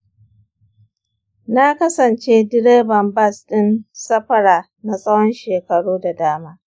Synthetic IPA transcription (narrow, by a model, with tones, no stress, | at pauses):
na˦kɐ˦sɐ˨nt͡ʃeː˦dɪ˦ɾeː˦bɐ˨mbɐ˦˨sɗɪ˦nsɐ˦ɸɐ˦ɽaː˨ | na˨sʼɐ˦wɔ˦nʃeː˨kɐ˨ɽoː˦da˨daː˦maː˦